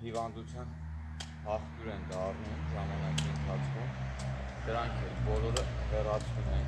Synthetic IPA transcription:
hivɑnd̪ut͡sʰjɑn | hɑχt̪juɾɛnd̪ɑrnumʒɑmɑnɑkiənt̪ʰɑt͡sʰkʰumd̪̥əɾɑŋkʰɛlbɔlɔɾəɦɛrɑt͡sʰvumɛn

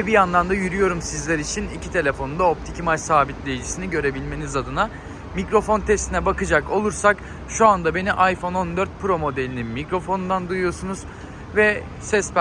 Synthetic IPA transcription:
ɛbijanlˠand̪ajyɾyjo̞ɾumsizlʲæɾit͡ʃʰinicʰit̪ʰe̞lʲe̞fo̞nund̪aop̚t̪ʰicʰimat͡ʃsaːbit̪lʲe̞jid͡ʒisiniɟø̞ɾe̞bilʲme̞nizad̪ɯna | micɾo̞fo̞nt̪ʰɛst̪ʰinɛbakɯd͡ʒako̞lˠuɾsak | ʃuand̪abe̞niʔajfo̞no̞nd̪ø̞ɾt̪̚pʰɯɾo̞mo̞d̪e̞lʲininmicɾo̞fo̞nund̪and̪ujujo̞sunuz̥ | vɛ | sɛsp

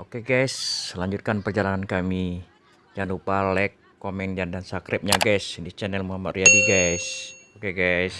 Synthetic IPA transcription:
ʔokeɡajslaɲd͡ʒut̪̚kanpərd͡ʒalaŋankami | d͡ʒanupalɛkːomɛnd͡ʒandansakɾɪp̚ɲaɡajsdit͡ʃɛnɛlmuɦamat̪riadiɡajsokeɡajs

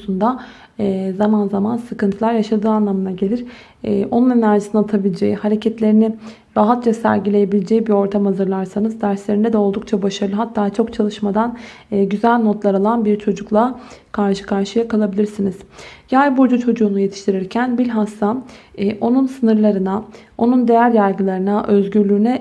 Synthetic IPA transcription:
sund̪a | zamanzamansɯkɯnt̪ʰɯlˠaɾjaʃad̪ɯːanlˠamɯnaɟe̞lʲiɾ̥ | ɛʔo̞nune̞næɾʒisinat̪ʰabilʲed͡ʒejihaɾecʰɛt̪lʲe̞ɾini | ɾaɦat̪t͡ʃasæ̰ɾɟilʲe̞jebilʲed͡ʒejibio̞ɾt̪ʰamazɯɾlˠaɾsanɯzd̪æɾslʲe̞ɾinɛd̪ɛo̞lˠd̪uk̚t͡ʃʰabaʃaɾɯlˠɯɦat̪ʰːaːt͡ʃʰo̞kt͡ʃʰalˠɯʃmad̪anː | ɟyzælʲno̞t̪lˠaɾalˠanbiɾt͡ʃʰo̞d͡ʒuklˠakʰaɾʃɯ̥kʰaɾʃɯjakʰalˠabilʲiɾsiniz̥jajbuɾd͡ʒut͡ʃʰo̞d͡ʒuːnuje̞t̪ʰiʃt̪ʰiɾiɾcʰænbilʲɦast̪aːʔo̞nunsɯnɯɾlˠaɾɯnao̞nund̪e̞jæɾjæɾɡɯlˠaɾɯnaʔø̞zɟyɾlʲyːnɛ

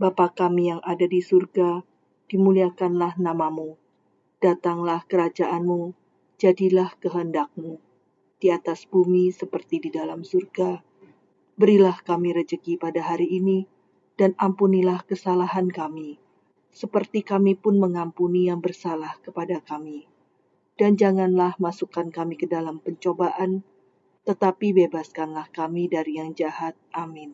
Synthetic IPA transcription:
bapakamijaŋʔadadisurɡa | d̥imuliakanlahnamamu | d̥at̪aŋlahkəɾad͡ʒaʔanmu | d͡ʒadilahkəɦəndak̚mu | d̥iat̪asb̥umisəpərt̪ididalamsurɡa | bəɾilahkamiɾəd͡ʒəɡipadaɦaɾiːni | d̥anampunilahkəsalaɦankami | səpərt̪ikamipʊnməŋampunijaŋbərsalahkəpadakami | d̥and͡ʒaŋanlahmasukankamikədalampəɲt͡ʃobaʔan | t̪ət̪apibebaskanlahkamidaɾijaŋd͡ʒahat̪̚ʔamɪn

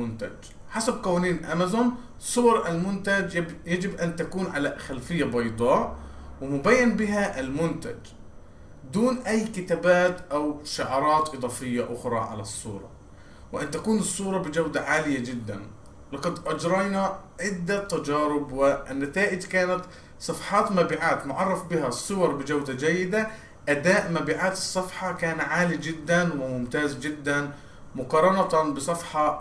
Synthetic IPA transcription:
ʊnt̪ad͡ʒ | ħasab̚kawaːniːnʔa̰mazʊn | sˤʊwɑɾˤʔalmʊnt̪ad͡ʒjad͡ʒɪbʔant̪akuːnʕalaxalfɪjːabɑjd̪ˤɑːʔwɪmʊbaːjːanbɪɦaʔɪlmʊnt̪a̰d͡ʒ | d̪uːnʔajːkɪt̪aːbaːt̪ʔawʃʊʕɑːɾˤɑːt̪ʔɨd̪ˤɑːfɪjːaʔʊxɾˤɑ̰ʕa̰lasˤːṵːɾˤɑ̰ | wɪʔant̪akuːnɨsˤːuːɾˤɑbɪd͡ʒawd̪aʕaːlɪjad͡ʒɪd̪ːa̰n | lɑqɑd̪ʔɑd͡ʒɾˤɑjnaʕɪd̪ːat̪ːad͡ʒɑːɾɪbwɪnːat̪aːʔɪd͡ʒkaːnat̪ | sˤɑfħɑːt̪maːbiːʕaːt̪mʊʕɑrˤːɑfbɪɦasˤːʊwɑɾˤbɪd͡ʒawd̪ad͡ʒajːɪd̪a | ʔad̪aːʔmabiːʕaːt̪ɨsˤːɑfħɑkaːnʕaːlid͡ʒɪd̪ːanwɪmʊmt̪aːzd͡ʒɪd̪ːan | mʊqɑːɾˤɑnɑt̪abɨsˤɑfħɑ

